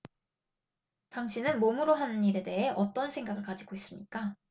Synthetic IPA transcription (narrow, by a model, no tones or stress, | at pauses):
taŋɕʰinɯnmomuɾoɦanɯnːiɾe̞de̞ɦe̞ʔʌt͈ʌnsʰe̞ŋɡaɡɯɭkad͡ʑiɡois͈ɯmɲik͈a